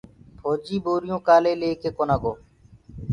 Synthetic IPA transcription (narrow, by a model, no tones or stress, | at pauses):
pʰoːd͡ʒiːboːɾɪjõːkaːleːleːkeːkoːnaːɡoː